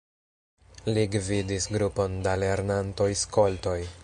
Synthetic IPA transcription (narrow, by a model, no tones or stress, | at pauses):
liɡvidisɡɾupo̞ndale̞ɾnanto̞jsko̞lto̞j